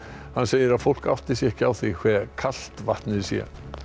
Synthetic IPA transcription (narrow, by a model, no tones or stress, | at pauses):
hanːseːjɪɾaðfowl̥ka̰wft̪ɪ̥sjɛhcɪawθikʰvɛːkʰal̥t̪vaht̪nɪɾsjɛ̰